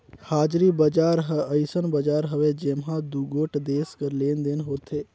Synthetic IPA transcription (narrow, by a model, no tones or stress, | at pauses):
haːd͡ʒɾiːbəd͡ʒaːɾɦəəɪsənbəd͡ʒaːɾɦəʋed͡ʒemɦãːd̪uːɡoːʈd̪eːskəɾleːnd̪ɪnɦoːt̪ʰeː